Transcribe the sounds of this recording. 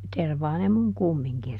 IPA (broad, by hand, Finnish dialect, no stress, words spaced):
terʋɑː ne muŋ kumːiŋkin